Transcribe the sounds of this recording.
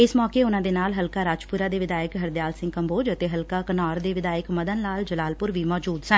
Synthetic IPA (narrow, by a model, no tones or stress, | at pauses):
ɪsmɔːkeːʊnãːd̪eːnaːlɦəlkaːɾaːd͡ʒpʊɾaːd̪eːʋɪd̪aːɪkɦəɾd̪jaːlsɪ̃ŋɡkəmboːd͡ʒət̪eːɦəlkaːkənaːɾd̪eːʋɪd̪aːɪkməd̪ənlaːld͡ʒəlaːlpʊɾʋiːmɔːd͡ʒuːd̪sə̃